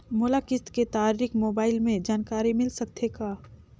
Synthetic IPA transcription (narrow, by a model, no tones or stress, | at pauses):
mʊlakɪt̪ket̪aːɾɾɪkmoːbaːɪlmẽd͡ʒaːnkaːɾimɪlsɐkt̪ʰekaː